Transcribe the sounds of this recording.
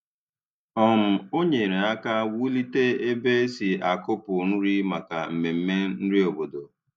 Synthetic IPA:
ɔ˦˨m̩˨o˦ɲe˨ɾe˨a˦ka˦wu˦li˦te˦e˦be˦e˦si˨a˨kʊ˦pʊ˨nu˦ɾi˦ma˨ka˨m̩˨me˨m̩˦me˦n̩˦ɾɪ˦o˨bo˨do˨

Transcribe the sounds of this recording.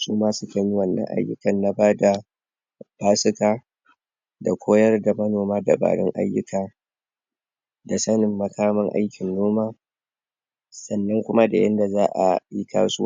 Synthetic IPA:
suː˦maː˦sʊ˦ka˨ɲi˦wɐ˨nːɐ̰˦ŋʔa̰˦jːʊ̰˦kɐ˨nːa˨baː˦da˨ | b̥aː˦sɪ˦kaː˦ | da˨kʷoː˦jɐ˦rda˨mɐ˦noː˨maː˦da̰˨ba̰ː˨ɽɔ̰˦ŋʔa̰˦jːʊ˦kaː˨ | da˨sɐ˦nɪ˨mːɐ˦kʰaː˦mɐ˦ŋʔa̰˦jkʲɪ˨nːoː˦maː˦ | sɐ˨nːɐ˦ŋkʷʊ˦ma˦da˨jɐ̰˦nda˨zaː˦ʔa̰˨ji˦ka̰ː˦sʊ˦wa˦

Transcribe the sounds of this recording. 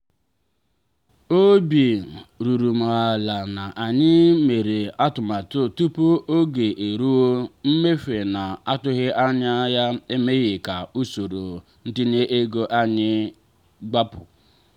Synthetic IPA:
o˦bi˨ɾu˨ɾu˨ma˨a˨la˨na˨ʔa˨ɲɪ˦me˨ɾe˨a˦tʊ˨ma˨tʊ˦tu˦po˦ʔo˦ɡe˨ʔe˨ɾu˦wo˦m̩˦me˦fe˨na˨a˦tʊ˦ɣɪ˦ʔa˦ɲa˦ja˦e˦me˦ɣɪ˨ka˨u˦so˨ɾo˨ | n̩˦dɪ˦ne˦ʔe˦ɡo˦ʔa˦ɲɪ˦ | ɡ͡ba˦pʊ̰˨

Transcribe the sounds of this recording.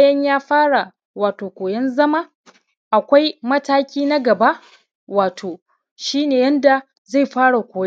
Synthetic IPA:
jɐ˦ɲjaː˦ɸaː˦ɽa˨ | waː˨toː˨kʷoː˨jɐ˦nzɐ˦ma˦ | ʔa˨kʷa˦jmɐ˦taː˦kʲiː˦na˦ɡɐ˨ba˦ʔ | waː˨tʰoː˨ | ʃiː˦neː˨jɛ˦nda˨ | za˦˨jɸaː˦ɽa˨kʷoː˨j

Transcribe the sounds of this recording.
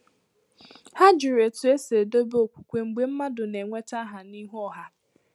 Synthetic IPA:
ha˦d͡ʒʊ˨ɾe˨tʊ˨e˦se˨do˦bo˨kʷu̥˨kʷe˨ŋ͡m̩˨ɡ͡be˦m̩˦ma˦dʊ˨ne˨ŋʷe˦ta˦ɦa˨ni˦ɦɔ˦˨ɦa˦

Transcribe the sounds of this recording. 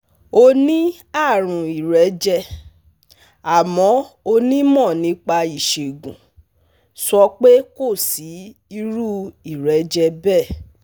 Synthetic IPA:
o˧nĩ˦ | a˦˨ɾ̃ũ˨i˨ɾɛ˨˦d͡ʒɛ˧ | a˨mɔ̃˨˦o˧nĩ˦mɔ̃˦˨nĩ˨˦k͡pa˧i˨ʃe˨ɡũ˨ | sɔ˧k͡pe˦ko˦˨si˨˦i˧ɾu˦i˨ɾɛ˨˦d͡ʒɛ˧bɛ˦˨

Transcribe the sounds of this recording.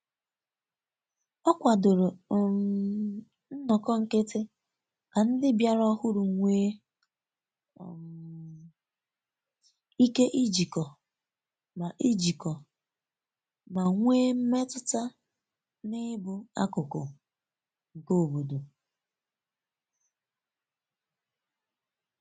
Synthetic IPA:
ɔ˦kʷa˨dʊ˨ɾʊ˨ | n̩˦nɔ˨kɔ˦ŋ̩˨ke˦tɪ˦ | ka˨n̩˦dɪ˦bja˦ɾɔ˦hʊ˦ɾʊ˨ŋʷeː˦˨ | i˦ke˦ʔi˦d͡ʒi˨kɔ˨ | ma˨ʔi˦d͡ʒi˨kɔ˨ | ma˨ŋʷeː˦m̩˦me˦tʊ˦ta˦ | nɪ˦bʊ˨a̰˦kʊ˨kʊ̰˨ | ŋ̩˨ko˦˨bo˨do˨

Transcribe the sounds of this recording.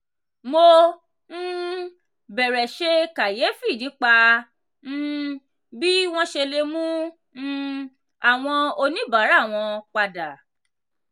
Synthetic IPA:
mo˧ | n̩˦ | bɛ˨ɾɛ˨ʃe˧ka˨je˨˦fi˦˨nĩ˨˦k͡pa˧ | n̩˦˧ | bi˦w̃ɔ̃˦ʃe˧le˧mũ˦ | n̩˦ | a˦˨w̃ɔ̃˧o˧nĩ˦ba˨˦ɾa˦˨w̃ɔ̃˧k͡pa˧da˨

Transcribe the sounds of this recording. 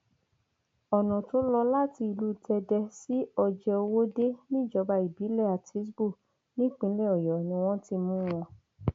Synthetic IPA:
ɔ˨nɔ̃˨to˦lɔ˧la˦ti˧i˧lu˦tɛ˧dɛ˧si˦ɔ˧d͡ʒɛ˧o˧wo˦de˦nĩ˦˨d͡ʒɔ˨˧ba˧i˨bi˨˦lɛ˦˨a˨te˨˦s̬bu˦˨ | nĩ˦k͡pĩ˨˦lɛ˦˨ɔ˨jɔ˨nĩ˧˦w̃ɔ̃˦ti˧mũ˦w̃ɔ̃˧

